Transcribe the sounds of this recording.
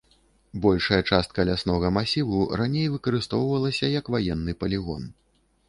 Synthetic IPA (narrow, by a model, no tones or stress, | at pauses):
bɔlʲʂɐjɐt͡ʂast̪̚kɐlʲasnɔɣɐmasʲivuranʲejvɨkɐɾɨst̪ɔwvɐlˠɐsʲɐjɐkvajɛnːɨpɐlʲiɣɔ̰n